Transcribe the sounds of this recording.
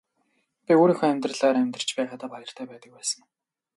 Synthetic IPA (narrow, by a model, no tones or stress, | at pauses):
pʲioːɾiːŋxɔæmʲt̪rə̆ɮaːɾæmʲt̪rə̥t͡ɕpæːʁaːt̪aːpajə̆r̥t̪ʰæːpæːt̪ə̆k̚pæːsə̆ŋ